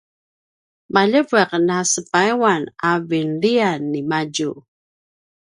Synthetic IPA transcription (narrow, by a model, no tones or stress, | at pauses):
maʎəvɛqnasəpaiwanavinlianːimaɟu